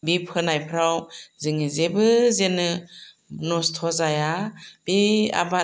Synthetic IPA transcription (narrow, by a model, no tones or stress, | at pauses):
bipʰɯnajpʰɾawzɯŋizebɯzenɯ | nɔstʰɔzajab̥ia̰ba